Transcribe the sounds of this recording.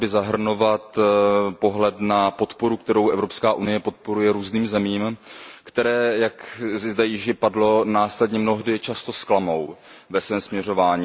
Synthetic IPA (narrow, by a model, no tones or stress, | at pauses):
bɪzaɦr̩no̞vat̪po̞ɦlɛt̪napo̞t̪po̞ɾuk̚t̪ɛɾo̞wʔɛvɾo̞pskaːʔunɪjɛpo̞t̪̚po̞ɾujɛɾuːzniːmzɛmiːmkt̪ɛɾɛːjakzɪzd̪ajɪʒɪpadlo̞naːslɛdɲɛmno̞ɦdɪt͡ʃast̪o̞sklamo̞wvɛsvɛːmsmɲɛro̞vaːɲiː